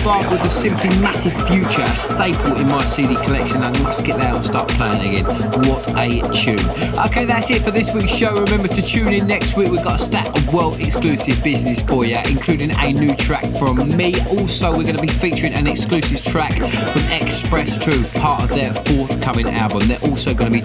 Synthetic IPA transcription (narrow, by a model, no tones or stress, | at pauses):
fɑːɡwɪðəsɪ̃mpʰlimasɪv̥fjʉˑt͡ʃəəsteɪpʰəlˠɪ̃nmaɪsidikʰəlɛkʃə̃naɪɡəmʌsɡ̥ɛʔðə̃stɑ̰ˑʔpʰl̥eɪɪ̃ŋə̰ɡɛ̰̃nwɒtət͡ʃʰʉ̰̃ːnʔə̰ʊkʰeɪðatsɪtfəðɪswiˑksʃoʊɹɪmɛ̃mbətʰət͡ʃʰʉ̃ːnɪ̃nːɛkst̚wiˑkwivɡɒtəstakəwɜːlˠdɛksklʉːˑsɪvbɪznɪspʰɔːjæʔɪ̰̃nkʰl̥ʉːɾɪ̃ŋə̰njʉːtʰɹ̥a̰kfɹə̃mːiɔˑlˠsoʊwɪɡʌnəbifiˑt͡ʃəɹɪ̃ŋə̰̃nɛksklʉːˑsɪv̥tʰɹ̥akfɹə̃mɛkspɹɛstʰɹ̥ʉːpʰɑˑtə̰vðəfɔˑθkʰʌmɪ̃ŋa̰lˠbə̃mðəʔɔˑlˠsoʊɡʌnəbi